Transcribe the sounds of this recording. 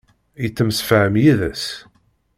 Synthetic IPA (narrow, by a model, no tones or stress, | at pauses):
it͡sːəmsfʕəmjiðæs